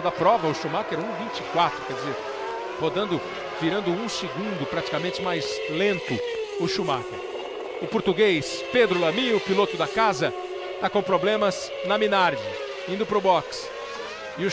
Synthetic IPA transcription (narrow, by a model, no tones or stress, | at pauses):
d̪ɐpɾɔvɐʊʃumakɛɾ̃ũvĩt͡ʃɪ̥kwat̪ɾʊkɛɾd͡ʒizeɾ | hod̪ɐ̃nd̪ʊ | viɾɐ̃nd̪ʊũsɪɡũnd̪ʊpɾat͡ʃi̥kamẽnt͡ʃɪmajzlẽnt̪ʊʊʃumakɪ | ʊpoɾt̪uɡejs | ped̪ɾʊlɐmĩʊpilot̪ʊd̪ɐkazɐ | t̪akõpɾoblẽmɐs | nɐminaɾd͡ʒɪ | ĩnd̪ʊpɾʊbɔks | ɪʊ